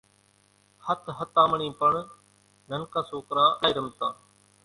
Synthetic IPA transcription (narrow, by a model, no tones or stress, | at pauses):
hət̪ʰɦət̪ãːməɳĩːpəɳ | nənkaːsoːkɾãːʔaːɪɾəmt̪ãː